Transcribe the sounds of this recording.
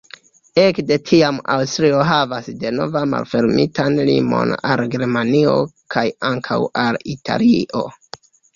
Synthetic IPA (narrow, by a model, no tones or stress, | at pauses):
e̞kde̞tʰiama̰wstɾio̞ɦavasde̞no̞̰vama̰lfe̞ɾmitanlḭmo̞̰na̰lɡe̞ɾmanio̞̰kʰajaŋkʰawalitʰa̰liʔo̞